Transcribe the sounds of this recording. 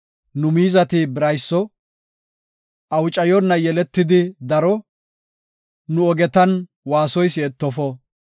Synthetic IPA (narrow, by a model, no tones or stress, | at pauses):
nʊmiːzɐt̪ɪbɪɾɐjsːɔ | ʔɐwt͡ʃʼɐjɔnːɐjɛlɛt̪ːɪd̪ɪd̪ɐɾɔ | nʊɔɡɛt̪ɐn | waːsɔjsɪɛt̪ːɔfɔ